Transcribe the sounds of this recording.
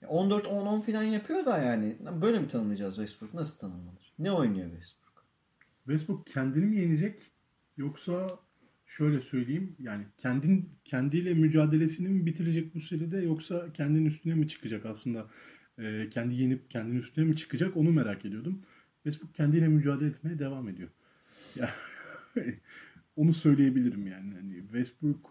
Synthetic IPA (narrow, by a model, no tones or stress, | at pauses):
ja̰ʔo̞nd̪ø̞ɾt̪ʰononfilʲanjapʰɯjo̞d̪ajaːnɪabø̞jlʲemit̪ʰanɯmˠɯad͡ʒaːzvɛsbuɾknasɯlˠt̪ʰanɯnmalˠɯɾ̥nɛo̞jnujo̰vɛ̰sbuɾk | vɛsbukcʰænd̪inimije̞nid͡ʒɛc | jo̞ksa | ʃø̞jlʲɛsø̞jlʲejimjaːnicʰænd̪incʰænd̪ijlʲɛmyd͡ʒaːd̪e̞lʲe̞sinimibit̪ʰiɾed͡ʒɛc̚buseɾid̪ɛjo̞ksacʰɛnd̪ininyst̪ʰynɛmit͡ʃʰɯ̥kʰɯd͡ʒakaslˠɯnd̪a | ɯːcʰɛnd̪ije̞nip̚cʰɛnd̪ininyst̪ʰynɛmit͡ʃʰɯ̥kɯd͡ʒako̞nume̞ɾacʰe̞d̪ijo̞d̪um | vɛsbuk̚cʰɛnd̪ijlʲɛmyd͡ʒaːd̪elʲɛːt̪me̞jɛd̪e̞vame̞d̪ijo̞ | ja | o̞nusø̞jlʲeje̞bilʲiɾimjaːnihanɪ̰vɛst̪buɾk